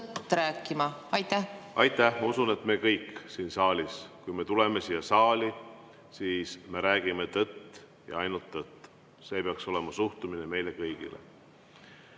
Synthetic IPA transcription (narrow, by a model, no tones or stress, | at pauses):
ɾæːkːˑimɑɑjt̪ːæʔɑjt̪ˑːæhmɑusune̞t̪ːˑme̞kɤjksiːnsɑːlʲiskujme̞t̪ule̞me̞siːɑsɑːli | siːsme̞ɾæːɡ̥ime̞t̪ɤt̪ː | jɑ̰ɑjnult̪ːɤt̪ːˑ | se̞ːpeɑkso̞le̞mɑsuht̪umine̞me̞jle̞kɤjɡ̥ḭlḛ